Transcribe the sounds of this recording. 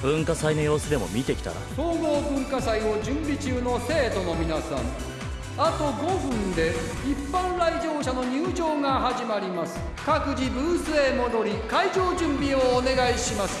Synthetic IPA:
b̥ɯ̟̃ŋkasaino̞jo̞ːsɨd̪e̞mo̞̰mʲit̪e̞kʲi̥t̪a̰ɾa̰t̪o̞ːɡo̞ːbɯ̟̃ŋkasaio̞d͡ʑɨ̃mbʲit͡ɕɨːno̞se̞ːt̪o̞no̞mʲinasã̰ŋ | at̪o̞ɡo̞bɯ̟̃nd̪e̞ | ipːãnɾaid͡ʑo̞ːɕano̞ɲɨːd͡ʑo̞ːŋaɦaʑimaɾʲimasɨ̥ | kakɯ̟d͡ʑibɯ̟ːsɨe̞mo̞d̪o̞ɾʲikaid͡ʑo̞ːd͡ʑɨ̃mbʲio̞ːne̞ɡaiɕimasɨ̥

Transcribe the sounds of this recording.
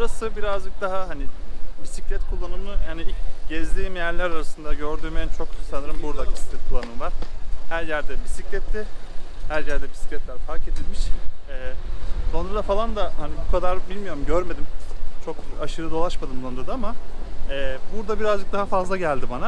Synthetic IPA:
buɾasɯbiɾazd͡ʒɯk̚d̪aɦaɦanɪpʰisiclʲɛt̪kʰulˠːanɯmɯhaniiɟɛzd̪ʲijimjæɾlʲæɾaɾasɯnd̪aɟø̞ɾd̪yɾment͡ʃʰo̞ksanɯɾɯmbuɾd̪abʰisi̥clʲɛt̪̚kʰulˠːanɯmɯvaɾ̥hæɾjæɾd̪ɛbʰisiclʲɛt̪ʰːɪhæɾjæɾd̪ɛbʰisi̥clʲɛt̪lʲæɾfʰaɾke̞d̪ilʲmiʃɛːd̪o̞nɾad̪afalˠand̪ahanibukʰad̪aɾbilʲmijo̞ɾumɟøɾme̞d̪imt͡ʃʰokaʃɯɾɯd̪o̞lˠaʃmad̪ɯmd̪o̞nɾad̪aamaɛːbuɾd̪abiɾazd͡ʒɯk̚d̪aɦafazlˠaɟælʲd̪ibana

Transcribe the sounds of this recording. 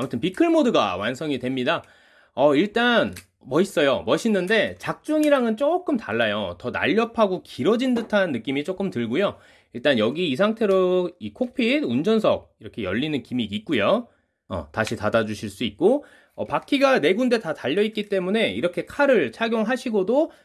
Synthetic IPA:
amutʰɯnpikʰɯɭmodɯɡa̰wansʰʌŋidwe̞mɲida | ʌiɭt͈an | mʌis͈ʌjomʌɕʰinːɯnde̞t͡ɕak̚t͡ɕ͈uŋiɾaŋɯnt͡ɕ͈ok͈ɯmtaɭːajotʌna̰ʎːʌpʰaɡokiɾʌd͡ʑindɯtʰanːɯk͈imit͡ɕ͈ok͈ɯmtɯɭɡujo | iɭt͈anjʌɡiːsʰaŋtʰe̞ɾoikʰok̚pʰidund͡ʑʌnsʰʌ̰k̚iɾʌkʰe̞jʌʎːinɯnkimiit̚k͈ujo | ʌ̰taɕʰitadad͡ʑuɕʰiɭs͈uit̚k͈o | ʌpak͈ʰiɡane̞ɡunde̞tataʎːʌit̚k͈it͈e̞mune̞iɾʌkʰe̞kʰaɾɯɭt͡ɕʰaɡjoŋɦaɕʰiɡodo

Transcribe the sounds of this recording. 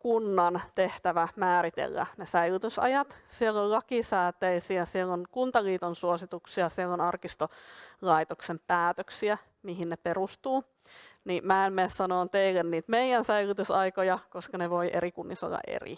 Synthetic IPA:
kunːɑnt̪eht̪æʋæmæːɾit̪ḛlːæ̰nesæilyt̪ysɑ̰jɑt̪sielːollɑkisæːt̪eisiæsielːonkunt̪ɑliːt̪onsuosit̪uksiɑsielːonɑrkist̪olɑit̪oksempæːt̪øksiæ | miɦinneperust̪uː | nimæenmessɑnoːnt̪eilːenniːt̪meijænsæilyt̪ysɑikojɑkoskɑneʋoiʔeɾikunːiso̰lːɑ̰ʔḛrḭ

